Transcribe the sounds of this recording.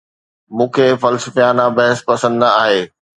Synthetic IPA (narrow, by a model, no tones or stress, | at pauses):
mũːkʰeːfɐlsəfjaːnabɐɦɪspɐsə̃nd̪aːɦeː